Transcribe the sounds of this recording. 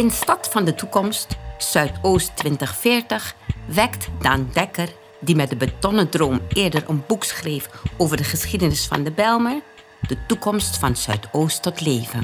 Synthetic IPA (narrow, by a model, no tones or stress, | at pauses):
ɪnstɑtfɑndətukɔmstsœɥtoːstʋɪntəχfɪːɹtəχʋɛktdaːndɛkəɹ | dimɛdəbətɔnədroːmʔɪːɹdəɹənbuksχrejfʔoːwvəɹdəχəsχidənɪsfɑ̰ndəbɛlˠməɹ | d̥ətukɔmstfɑnsœ̰ɥtoːstːɔtleːvən